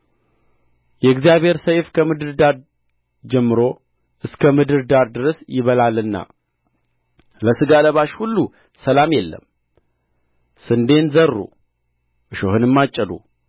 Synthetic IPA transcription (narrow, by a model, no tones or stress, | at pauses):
jɛɨɡzijaβhe̞ɾsəjfkʰəmɨd̪ɨɾd̪aɾ | d͡ʒɛmːɨɾo̞ | ʔɨskʰəmɨd̪ɨɾd̪aɾd̪ɨɾəsjɪβəlalːɨnːa̰ | ləsɨɡaləβaʃhulːu | səlamjɛlːə̰m | sɨnd̪e̞nzərːṵ | ʔɨʃo̰hɨnɨmːat͡ʃʼːɛlṵ